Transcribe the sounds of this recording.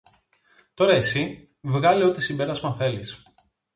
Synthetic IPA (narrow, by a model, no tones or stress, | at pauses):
t̪o̞ɾɐesi | vɣɐleo̞t̪isimbe̞ɾɐzmɐθe̞lis